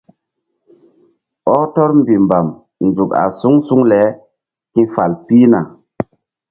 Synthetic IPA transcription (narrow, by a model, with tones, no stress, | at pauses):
ɔ˦tɔ˦ɾmbi˨mba˨m | nzu˨ka̰˨su˦ŋsu˦ŋlɛ˨˦ | kĩ˦fa˨lpi˦na˨